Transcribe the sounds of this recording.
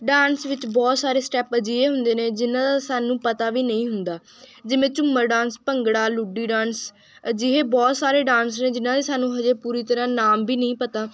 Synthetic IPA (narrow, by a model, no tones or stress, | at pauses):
ɖaːnsʋɪt͡ʃbɔːt̪saːɾeːsʈɛːpəd͡ʒiːeːɦʊnd̪eːnẽːd͡ʒɪnãːd̪aːsaːnũːpət̪aːʋiːnəĩːɦʊnd̪aː | d͡ʒɪʋẽːt͡ʃʊmːəɾɖãːnspəŋɡɽaːlʊɖiːɖãːns | əd͡ʒiɦeːbɔːt̪saːɾeːɖãːnsnẽːd͡ʒɪnãːd̪eːsaːnũːɦəd͡ʒeːpuːɾiːt̪əɾãːnaːmbiːnəĩːpət̪aː